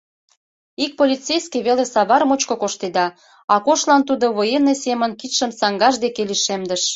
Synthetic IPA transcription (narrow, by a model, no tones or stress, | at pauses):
ik̚polʲit̪t͡sejskeβelesɑβɑɾmot͡ɕkokoʃt̪ed̪ɑ | ɑkoʃlɑnt̪ud̪oβojenesemənkit̪ʃəmsɑŋɡɑʒd̪ekeliʃemd̪əʃ